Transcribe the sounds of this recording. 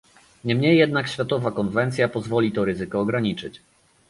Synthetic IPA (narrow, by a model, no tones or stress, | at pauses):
ɲɛmɲɛjːɛd̪̚nakɕfʲjat̪ɔvakɔnvɛnt̪sʲjapɔzvɔlʲit̪ɔɾɘzɘkɔːɡɾaɲit͡ʂɘt͡ɕ